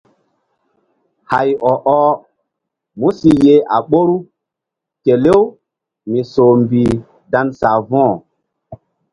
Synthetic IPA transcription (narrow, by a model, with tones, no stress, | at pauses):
ha˨jɔ˨ʔɔ˦ | mu˦si˨je˦ʔa˨ɓo˦ɾu˦ | ke˨le˦w | mi˨soː˨mbi˨ | da˦nsa˨vɔ̃˦˨